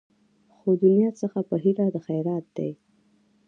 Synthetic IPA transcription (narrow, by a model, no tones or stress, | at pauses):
xod̪unjɑt͡səxapəɦiɾad̪əxajɾɑt̪̚d̪̥ḛj